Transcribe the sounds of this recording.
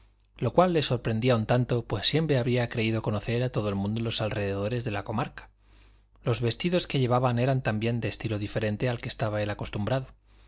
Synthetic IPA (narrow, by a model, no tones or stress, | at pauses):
lo̞kwalːe̞so̞ɾpɾe̞nd̪iaunt̪ant̪o̞pwe̞sːje̞mpɾeaβɾiakɾe̞ið̞o̞ko̞no̞θe̞ɾat̪o̞ð̞oe̞lmũnd̪olo̞salreð̞e̞ð̞o̞ɾe̞zðe̞lako̞maɾkḁ | lo̞zβe̞st̪iðo̞ske̞ʝe̞β̞aβane̞ɾant̪ambje̞nd̪eːst̪ilo̞ðife̞ɾe̞nt̪e̞alke̞st̪aβae̞lako̞st̪umbɾaðo